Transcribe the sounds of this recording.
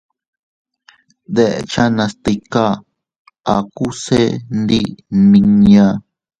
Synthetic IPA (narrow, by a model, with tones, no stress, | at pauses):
d̪e˦ʔḛ˧t͡ʃa˦nã˧st̪i˧ka˦ | a˨ku˦se˦nd̪i˦nĩ˧ɲã˧